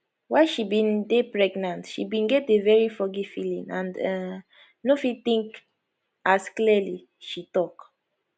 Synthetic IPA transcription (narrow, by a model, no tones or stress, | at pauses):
waɪʃibĩndepɹɛɡnãntʃḭbĩnɡɛt̚devɛɹifɔɡifilḭ̃ŋã̰nd | nofit̪ĩŋk | askliəli | ʃitɔk